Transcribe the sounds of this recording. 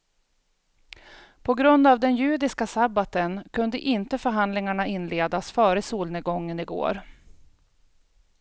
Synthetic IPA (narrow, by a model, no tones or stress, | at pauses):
pʰɔɡɾɵnd̪avd̪ɛnjʉ̟ːd̪ɪskasabat̪ənkʰɵnd̪əʔɪnt̪əfœɾɦand̪lɪŋaɳaɪnleːd̪asfœːɾəsuːlnəɡɔŋːənɪɡo̰ːɾ